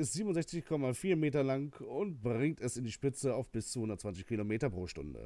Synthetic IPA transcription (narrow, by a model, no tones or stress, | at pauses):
ɪstz̥iːbmʊntzɛçt͡sɪçkʰɔmafiːɐmeːtɐlaŋkʊnt̚b̥ʁɪŋ̚tɛsɪndiːʃpɪt͡səaʊfb̥ɪst͡suhʊndɐtt͡svant͡sɪçkʰilomeːtɐpʁ̥oːʃtʊ̰ndə̰